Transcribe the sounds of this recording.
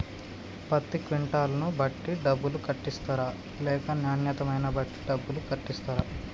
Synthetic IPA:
pɐt̪ːikʋiɳʈaːlɐnubʱɐʈːiɖɐbːulukɐʈːist̪aːɾaː | lɛːkɐnjaːnjɐt̪ɐmɐjnɐbʱɐʈːi̥ɖɐbːulukɐʈːist̪aːɾaː

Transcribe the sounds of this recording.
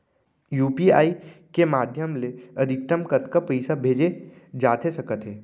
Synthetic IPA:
juːpia̰ːikemaːd̪ʱjəmleɐd̪ʱɪk̚t̪əmkət̪kapəɪsabʱeːd͡ʒed͡ʒaːt̪esɐkət̪ɦɛː

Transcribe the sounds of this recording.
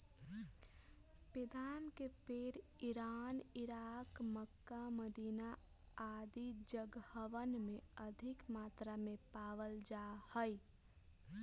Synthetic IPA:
pɪd̪ʱaːnkepeɾ | ɪɾaːnɪɾaːkməkːaməd̪ʱiːna | aːd̪id͡ʒəɡəʋənmẽəd̪ʱɪkmaːt̪ɾamẽpaːʋəld͡ʒaː | həi

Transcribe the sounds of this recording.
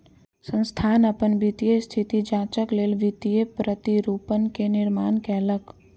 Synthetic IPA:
sə̃nst̪ʰaːnəpənʋit̪ijest̪ʰit̪id͡ʒaːt͡ʃəkleːlʋit̪ijepɾət̪iɾupənkenɪɾmaːnkɛːlək

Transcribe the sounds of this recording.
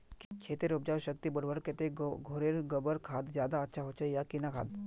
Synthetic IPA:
kkʰeːt̪eɾʊb̚d͡ʒaːʃək̚t̪ibɐɽʋəɾket̪eɡʱoːɾeɾɡəbəɾkʰaːd̪zjaːd̪aɐtːʃʰaɦoːt͡ʃəjakinakʰa̰ːd̪

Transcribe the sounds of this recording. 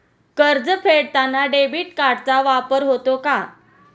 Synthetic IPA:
kəɾd͡zəpʰeɽt̪anːaɖebiːʈkaɾɽt͡saʋapəɾɦot̪oka

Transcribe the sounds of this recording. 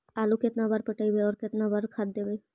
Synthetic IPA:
aːlukɪt̪nabaːɾpəʈəibeɔːɾkɪt̪nabaːɾkʰad̪̚d̪eːbe

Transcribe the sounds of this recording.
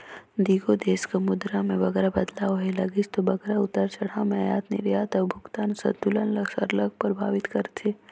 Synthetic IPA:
d̪iːɡod̪eːskamʊd̪ɾamẽʋɐɡɛːɾabɐd̪laːoɦelɐɡist̪obɐɡɛɾaʊt̪əɾt͡ʃɐɽ̤amẽjaːt̪nɪ̰ɾjaːt̪əbʱʊɡt̪aːnsɐ̰d̪d̪ulənlɐɡsɐ̰ɾlɐɡ̚pəɾbʱaːʋɪt̪kɐɾt̪ʰe

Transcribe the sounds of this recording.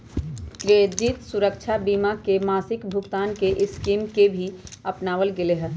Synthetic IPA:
kɾed͡ʒit̪suɾəkt͡ʃʰabiːmakemaːsɪkbʱʊkt̪aːnkeʔɪskimkebʱiəpnaːʋəlɡeleɦə

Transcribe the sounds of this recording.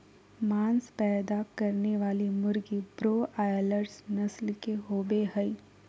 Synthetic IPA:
mãːnspɛːd̪akɐɾneʋaːlimʊɾɡibɾoːʔaːjləɾsnɐslkeɦoːbeɦəi

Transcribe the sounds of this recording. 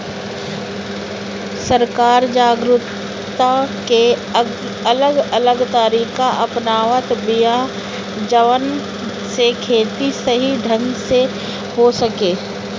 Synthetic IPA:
sɐɾkaːɾd͡ʒaːɡɾʊt̪ | ake | ɐləɡɐləɡt̪aːɾiːkaʔɐpnaːʋət̪bija | d͡ʒəʋən | sekʰeːt̪isɐɦiɖʱɐ̃nɡse | hosɐkeː

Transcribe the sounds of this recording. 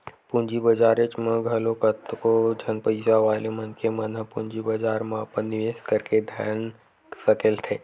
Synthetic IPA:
pũnd͡ʒibəd͡ʒaːɾet͡ʃmə̃ɡʱɐlokət̪kod͡ʒʱɐnpəɪsaʋaːlemɐnkʰemɐnəpũɲd͡ʒibəd͡ʒaːɾmãpənɪʋeːskəɾked̪ʱjaːn | sɐkelt̪ʰeː

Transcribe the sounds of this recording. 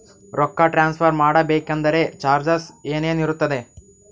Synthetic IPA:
ɾʔɔkːɐʈɾaːnspʰɐɾmaːɽɐbeːkɐnd̪ɐɾe̞t͡ʃaːɾd͡ʒɐseːneːniɾut̪ːɐd̪e̞

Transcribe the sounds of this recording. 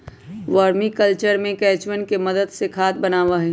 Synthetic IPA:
ʋəːɾmikəlt͡ʃəɾmẽkɛːt͡ʃʋɪnkeməd̪əd̪sekʰaːt̪̚bɐnaːʋaɦɛ

